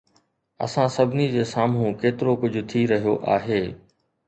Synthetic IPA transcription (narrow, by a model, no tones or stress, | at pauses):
ɐ̰sãsɐbʱɪnid͡ʑeːsaːmɦũkeːt̪ɪɾokʊd͡ʑʱʊ̆t̪ʰiɾɐɦijoʔa̰ːɦeː